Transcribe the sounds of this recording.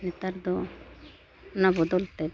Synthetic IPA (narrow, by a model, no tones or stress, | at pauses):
nɛt̪aɾd̪ɔ | nabɔd̪ɔlt̪ɛ